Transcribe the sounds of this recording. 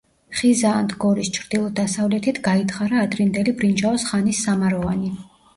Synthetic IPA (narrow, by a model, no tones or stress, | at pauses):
χizaːnd̪ɡɔɾist͡ʃʰɾd̪̥ilˠɔd̪asavlɛt̪ʰit̪ʰɡait̪ʰχaɾaːd̪ɾind̪ɛlibɾind͡ʒaɔsχanisːamaɾɔvani